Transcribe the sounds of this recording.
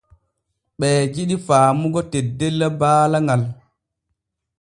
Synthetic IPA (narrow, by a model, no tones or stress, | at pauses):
ɓɛːd͡ʒiɗifaːmuɡɔtɛdːɛlːabaːlaŋɡal